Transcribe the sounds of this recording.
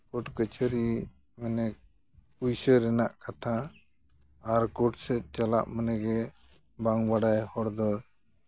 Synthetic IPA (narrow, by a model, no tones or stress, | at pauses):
kɔʈkət͡ʃʰəɾi | mɛnɛk̚ | ujsəɾɛnaʔkat̪ʰa | ɾkɔʈsɛt̪̚t͡ʃala̰ʔmənɛɡɛ | baŋbaɽajhɔɽd̪ɔ